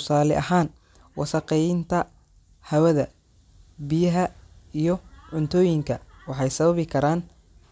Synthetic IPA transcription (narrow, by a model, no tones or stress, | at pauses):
tʊsaːlɪʔɐhaːn | wɑsɐqɛjɪnt̪ʰɐ | hɐwɐðɐ | bɪjɐɦɐijɞʕʊnt̪ʰɔːjɪŋkʰɐwɑħɑjsɐβɐβɪkʰɐɾaːn